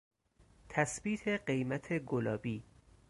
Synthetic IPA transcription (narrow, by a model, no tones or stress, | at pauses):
t̪ʰæsbiːt̪ʰe̞ɢe̞jmæt̪ʰe̞ɡolɒːbiː